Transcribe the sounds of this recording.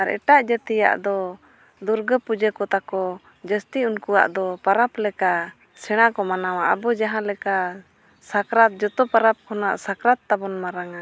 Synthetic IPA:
aɾɛ̰ʈaʔd͡ʒət̪ija̰ʔd̪ɔ | d̪uɾɡəpud͡ʒəkɔt̪akɔ | d͡ʒəst̪iunkuwa̰ʔd̪ɔpaɾaplɛka | sɛɽ̃akɔmanawaʔabɔd͡ʒaɦãlɛka | sakɾat̪̚d͡ʒɔt̪ɔpaɾap̚kʰɔna̰ʔsakɾat̪ːabɔnmaɾaŋa

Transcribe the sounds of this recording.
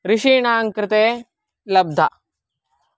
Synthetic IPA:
ɾɪʃiːɳaːŋkɾɪt̪eː | lɐb̚d̪ʱa

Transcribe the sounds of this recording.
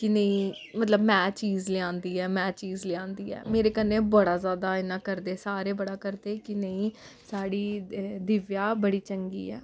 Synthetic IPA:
kɪnəĩː | mət̪ləbmɛ̃ːt͡ʃiːzlɪãːnd̪iːɛːmɛ̃ːt͡ʃiːzlɪãːnd̪iːɛ̰ːmeːɾeːkənːeːbəɽaːzjaːd̪aːɪnãːkəɾd̪eːsaːɾeːbəɽaːkəɾd̪eːkɪnəĩː | saːɽiːd̪ɪʋjaːbəɽiːt͡ʃəŋɡḭːɛ̰ː

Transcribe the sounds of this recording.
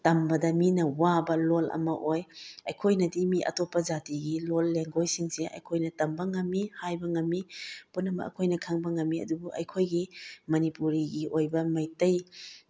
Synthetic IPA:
tɐmbɐdɐminɐwabɐlolʔɐ̰mɐʔojɐjkʰojnɐdimiʔɐ̰topːɐd͡ʒatiɡilolːeŋɡojsiŋseʔɐ̰jkʰojnɐtɐmbɐŋɐmːihajbɐŋɐmːipunːɐmɐ̰ɐ̰kʰojnɐkʰaŋbɐŋɐmːiɐ̰dubuʔɐ̰jkʰojɡimɐnipuɾiɡiojbɐmɐjtɐj

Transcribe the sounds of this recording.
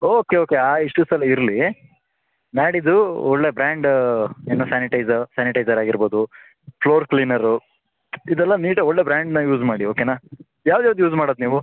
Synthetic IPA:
oːke̞oːkeaːiʂʈusɐlɐiɾli | naːɽid̪uɔɭːe̞bɾaːɳɖeːnosaːniʈɐjzɐsaːniʈɐjd͡ʒɐɾaːɡiɾbo̞ːd̪u | ploːɾkliːnɐɾu | id̪ɛlːɐniːʈɐɔɭːe̞bɾaːɳɖnɐjuːd͡ʒmaːɽio̞ːkenaː | jaːʋd̪ɛːʋd̪juːd͡ʒmaːɽoːd̪niːʋu

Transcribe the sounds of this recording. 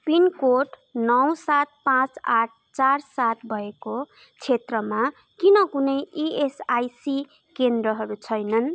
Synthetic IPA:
pinkoʈ | nʌw̃sat̪̚pãt͡saʈ̚ʰt͡sarsat̪bʱʌeko | t͡sʰet̪rʌma | kinʌkunʌjʔiesajsi | kend̪rʌɦʌɾut͡sʰʌjnʌn

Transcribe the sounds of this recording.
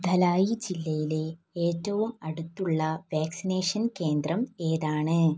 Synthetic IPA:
d̪ʱɐlaːjid͡ʑilːɐjile | eːtːɐʋumɐɽut̪ːuɭːɐʋaːksineːʂɐnke̞ːnd̪rɐme̞ːðaːɳɨ

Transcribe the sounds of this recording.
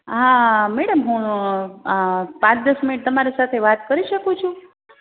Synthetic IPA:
ɦãmɛɽəmɦũ | pãt͡ʃd̪əsminiʈ̚t̪əmaɾesat̪ʰeʋat̪kəɾiʃəkũt͡ʃʰũ

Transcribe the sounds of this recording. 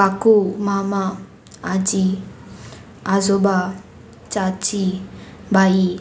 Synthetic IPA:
akumamaː | d͡ʒi | azoba | t͡ʃat͡ʃi | bʱai

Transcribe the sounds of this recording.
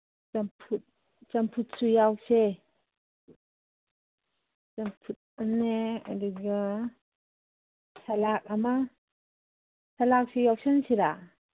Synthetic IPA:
t͡ʃampʰut̚ | t͡ʃampʰut̚sujawse | t͡ʃampʰut̚aneadiɡa | sʰalak̚ama | sʰalak̚sejawsansiɾa

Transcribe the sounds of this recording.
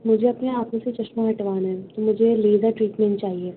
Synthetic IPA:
mʊd͡ʒʱeɐpneaːpõset͡ʃɐʃmaɦɐʈʋaːnaɦɛt̪omʊd͡ʒʱeleːzaʈɾiːʈmẽnʈt͡ʃaːɦieː

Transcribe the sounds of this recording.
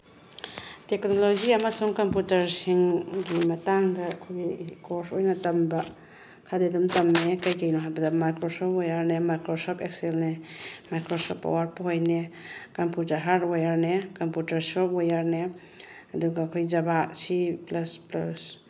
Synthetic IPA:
teknolod͡ʒiɐmasuŋkɐmputɐɾsiŋɡimɐtaŋdɐkʰojɡikoɾsojnɐtɐmbɐ | kʰadedumtɐmnekɐjkejnɔɦajbɐdɐmajkɾosɔpjaɾnemajkɾosɔpʰek̚selnemajkɾosɔ̰pːa̰waɾ̚pɦojnekɐmputɐɾɦaɾdojaɾnekɐmputɐɾsɔpojaɾne | ɐduɡaːkʰojzɐbasiplɐsplas

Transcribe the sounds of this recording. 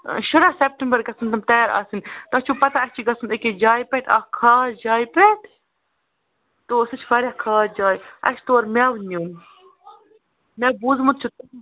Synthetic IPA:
ʃɐɾasep̚ʈəmbəɾɡɐsɨnt̪ɐmt̪ɐjaːɾa̰ːsint̪ɐt͡ʃʰupɐt̪aɐst͡ʃʰiɡɐsɨneked͡ʒaːjpɛʈa̰ːkʰaːɾd͡ʒaːjpɛʈ | t̪oːsɨt͡ʃʰfɐɾʲjaːkʰaːɾd͡ʒaːjɐ̰ʃt̪oɐɾmʲaːʋnuːn | mʲaːbuːzmut̪̚t͡ʃʰut̪

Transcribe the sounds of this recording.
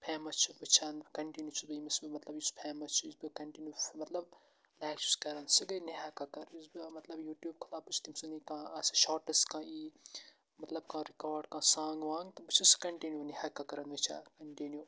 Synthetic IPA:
pʰeːmɐt͡ʃʰuʋɨt͡ʃʰankɐɳʈinjut͡ʃʰubɨimɐsbɨmɐt̪lɐbjispʰɛːmɐt͡ʃʰuizbɨkɐɳʈinjuːfmɐt̪lɐb̚ | laːkt͡ʃu̥skɐɾɐnsɨɡɐniɦaːkakɐɾizbɨmɐt̪lɐbjuːʈjuːb̚kʰɐlaːbɨt͡ʃʰt̪imsunikãːɐsʃɔːɾʈɐskãːʔiː | mɐt̪lɐb̚kãːɾikaːɾɖkãːsãːŋɡʋãːŋɡt̪ɐbɨt͡ʃʰiskɐɳʈinjuːnihaːkakɐɾɐnʋɨt͡ʃʰa̰ːkɐɳʈinjuː

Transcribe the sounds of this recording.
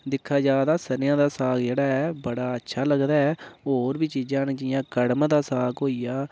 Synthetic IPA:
d̪ɪkʰːaːd͡ʒaːd̪aːsəɾjãːd̪aːsaːkd͡ʒeːɽaːɛːbəɽaːətːʃʰaːləɡd̪aːɛːoːɾbiːt͡ʃiːd͡ʒãːnd͡ʒɪjãːkəɽmd̪aːsaːɡɦoːijaː

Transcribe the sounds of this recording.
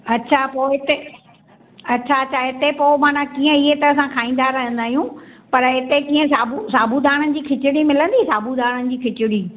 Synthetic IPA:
ɐtːɕʰapoːɪt̪e | ɐtːɕʰaɐtːɕʰaɪt̪epoːmaːnãkiːə̃iɦet̪ɐɐsãkʰaːĩːn̆d̪aɾɐɦə̃nd̪aːɦijũpɐɾɪt̪ekĩːə̃saːbusaːbʱud̪aːɽ̃ənɪ̆d͡ʑiːkʰɪt͡ɕɪɽimɪlə̃nd̪iːsaːbʱud̪aːɽ̃ənɪ̆d͡ʑiːkʰɪt͡ɕʊɽiː

